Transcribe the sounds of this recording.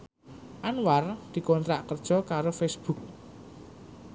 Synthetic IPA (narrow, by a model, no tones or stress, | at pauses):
ʔanward̪̥i̤kɔnt̪ɾaʔkərd̥ʒ̥ɔ̤kaɾofesb̥uk̚